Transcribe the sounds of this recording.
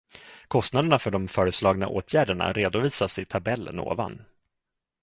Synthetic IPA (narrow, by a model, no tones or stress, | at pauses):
kʰɔst̪nad̪əɳafœɖɔmfœːɾəslɑːɡna̰ʔoːt̪ʰjæːɖəɳa̰ɾeːd̪ʊviːsasɛt̪ʰabɛlːə̰no̰ːva̰n